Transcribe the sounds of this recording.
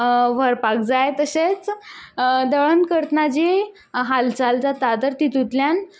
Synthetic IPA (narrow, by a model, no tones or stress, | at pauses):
ʋəɾpak̚d͡zajt̪əɕet͡s | d̪əɭənkəɾt̪ənad͡ʑe | ɦalt͡salt͡sat̪ad̪əɾt̪it̪ut̪ljan